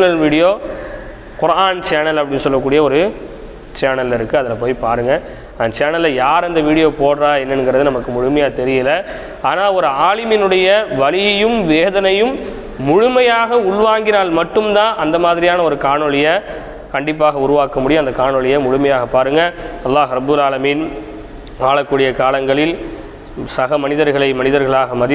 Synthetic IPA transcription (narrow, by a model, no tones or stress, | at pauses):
ɐlʋiːɽɪjoː | kʊɾʔaːnt͡ʃeːnɐlɐpːɐɽɪnːɯsɔlːɐkːuːɽɪjɐɔɾɯ | t͡ʃeːnɐlɪɾɯkːɯɐðɐlɐpoːjpaːɾɯŋɡɐ | ɐnɐt͡ʃaːnɐlːɐjaːɾɛnd̪ɐʋiːɽɪjoːpoːɽɾaːɛnːɐnɡɪɾɐðɯnɐmɐkːɯmʊɻʊmɐjaːt̪ɛɾɪjɐlɐ | aːnaːɔɾɯaːɭɪmɪnɯɽɐjɐʋɐɭɪjɐjɯmʋeːðɐnɐjɯmː | ʊɻʊmɐjaːɣɐʊɭʋaːŋɡɪnaːlmɐʈːɯmd̪ãːʔɐnd̪ɐmaːðɪɾɪjaːnɐɔɾɯkaːɳɔɭɪjɐ | kɐɳɖɪp̬ːaːɣɐʊɾʊʋaːkɐmːʊɽɪj̃ɐnd̪ɐkaːɳɔɭɪjɐmʊɻʊmɐjaːɣɐpːaːɾɯŋɡɐɐlːaːɣɾɐbːɯlaːlɐmiːn | aːɭɐkːuːɽɪjɐkaːlɐŋɡɐɭɪl | sɐɣɐmɐnɪðɐɾɣɐɭɐɪmɐnɪðɐɾɣɐɭaːɣɐmɐðɪ